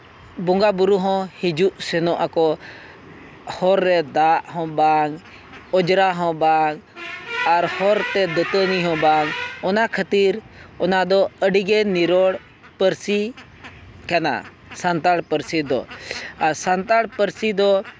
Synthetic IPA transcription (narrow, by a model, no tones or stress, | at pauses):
bɔŋɡabuɾuɦɔ̃hid͡ʒuʔsɛnɔʔakɔ | hɔɾːɛd̪aʔɦɔ̃baŋ | ɔd͡ʒɾaɦɔ̃baŋ | aɾhɔɾt̪ɛd̪ət̪əniɦɔ̃baŋɔnakʰət̪iɾ | ɔnad̪ɔəɖiɡɛniɾɔɽ | pəɾsi | kana̰ | sant̪aɽpəɾsid̪ɔ̰aɾsant̪aɽpəɾsid̪ɔ